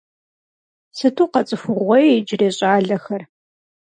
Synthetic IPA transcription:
sɨtʰuːqɐt͡sʼɨfʊʁʷɔjd͡ʒreːɕʼaːɮɐxɐr

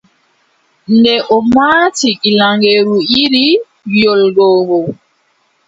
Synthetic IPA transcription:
ndɛʔɔmaːtiʔilaŋɡeɾuiɾi | jolɡɔːɡɔ

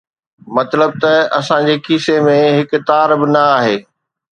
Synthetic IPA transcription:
mɐt̪ləb̚t̪ɐɐsãd͡ʑeːkiːsemẽɦɪkʊt̪aːɾbɪnɐaːɦeː

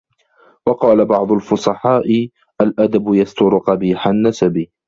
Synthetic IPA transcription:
wɑqɑːlabɑʕd̪ˤʊlfʊsˤɑħɑːʔɪ | ʔalʔad̪abjast̪ʊɾʊqɑbiːħanːasabiː

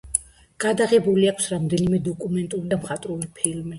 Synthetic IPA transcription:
ɡ̥ad̪aʁɛbuliakʰsɾamd̪ɛnimɛd̪ɔkʼumɛnt̪ʼulid̪amχat̪ʼɾulipʰilmi

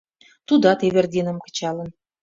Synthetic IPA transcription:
t̪ud̪ɑt̪eβerd̪ʲinə̆mkə̥̆t͡ɕɑlə̆n

